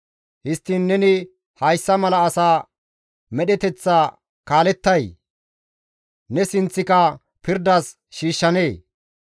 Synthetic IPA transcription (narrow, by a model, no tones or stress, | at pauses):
hɪst̪ːiːnːɛnɪ | hɐjsːɐmɐlɐːsaː | mɛɗɛt̪ɛt͡sːa | kaːlɛt̪ːɐj | nɛsɪnt͡sːɪkɐ | pɪɾd̪ɐs | ʃiːʃːɐneː